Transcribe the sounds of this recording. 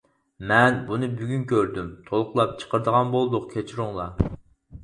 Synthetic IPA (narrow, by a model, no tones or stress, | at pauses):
mɛnbunɨbyɡʲynkʲʰøɾd̪ymt̪ʰolˠqlˠɑp̚t͡ʃʰə̥qəɾd̪əʁɑnbolˠd̪ʊq̚kʲʰet͡ʃʰiɾuŋlˠɑ